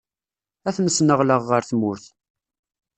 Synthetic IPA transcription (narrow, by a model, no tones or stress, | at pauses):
æθnəsnəʁləʁːəɾθmʊɾθ